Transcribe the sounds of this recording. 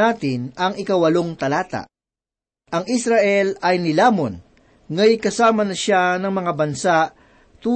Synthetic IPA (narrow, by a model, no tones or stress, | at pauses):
aːt̪ɪnɐŋɪkɐwɐloŋt̪ɐlaːt̪a̰ʔ | ʔɐŋisɾaʔɛlɐjnɪlaːmon | ŋɐjkɐsaːmɐnɐʃanɐŋmɐŋabɐnsaʔ | t̪uː